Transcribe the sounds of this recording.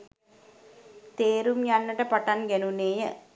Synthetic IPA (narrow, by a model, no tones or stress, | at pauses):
t̪eːɾumjanːəʈəpaʈanɡænuneːjə